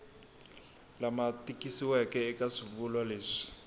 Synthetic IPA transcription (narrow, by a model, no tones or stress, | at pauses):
lamatikisiwɛkɛːkaʂiβulwaleːʂi̥